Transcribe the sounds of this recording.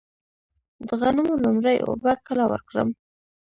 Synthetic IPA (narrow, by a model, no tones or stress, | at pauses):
d̪əɣanumolumɾəjo̰bakəlawə̰ɾkɽə̰m